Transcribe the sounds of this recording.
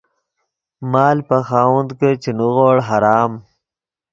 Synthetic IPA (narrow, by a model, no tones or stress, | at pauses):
maːlpaxaːwund̪kət͡ʃenuɣoːɽɦaɾaːm